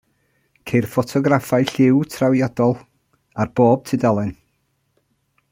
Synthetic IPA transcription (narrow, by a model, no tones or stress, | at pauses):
kʰejrfɔtʰɔɡɾafajɬɪwtʰrawjɔdɔlˠ | arb̥oːb̥̚tʰɨdalˠɛn